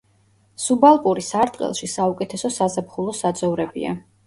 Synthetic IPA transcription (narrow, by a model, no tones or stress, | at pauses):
subalˠpʼuɾisaɾt̪ʼqʼɛ̰lˠʃisaukʼɛt̪ʰɛsɔsazapχulˠɔsad̪zɔvɾɛbḭa̰